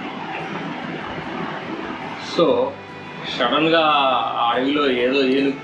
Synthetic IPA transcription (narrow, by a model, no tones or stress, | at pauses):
soː | ʂɐɽɐmɡaːaːɭɐɡuloːeːðoːeːnu